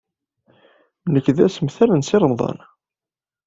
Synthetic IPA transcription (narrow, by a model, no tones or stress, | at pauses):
nəkːðæsəmθælənsɪɾˤəmðˤɑ̰n